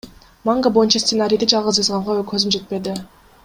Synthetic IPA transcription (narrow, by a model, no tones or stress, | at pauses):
maŋɡabo̞junt͡ʃɑst̪senaɾʲijd̪ɪd͡ʒɑlˠʁəzɯzʁɑwʁɑkʰøzymd͡ʒe̞t̪̚pe̞d̪ɪ